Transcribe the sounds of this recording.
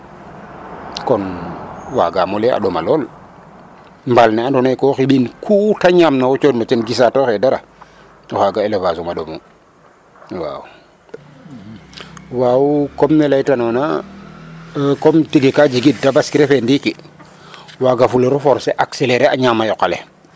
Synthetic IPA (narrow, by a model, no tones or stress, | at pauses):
kɔnwa̰ɡamulɛa̰ɗɔma̰lɔːl | mbalnɛandɔnekɔːxiɓinkʰutaɲaːmnawut͡ʃoːdnat͡ʃɛnɡisatoxɛdaɾa̰ | ɔxaɡaelevasumaɗomu | wa̰ːwu | waːwukɔmnɛlajtanɔna̰ | kɔmtiɡikad͡ʒiɡit̚dabaskiɾefendiki | waɡafulɛɾufɔɾseʔakseleɾeaɲaːmajɔkalḛ